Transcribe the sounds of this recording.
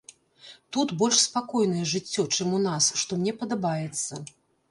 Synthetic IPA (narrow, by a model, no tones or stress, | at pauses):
t̪ut̪bɔlʲʂspakɔjnɐjɛʐɨt͡sʲːɔt͡ʂɛmunasʂt̪ɔmnʲɛpɐd̪abajɛt̪sːɐ